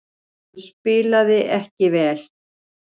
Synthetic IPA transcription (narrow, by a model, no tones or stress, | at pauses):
spɪːlaðɪʔɛhcɪvɛːl̥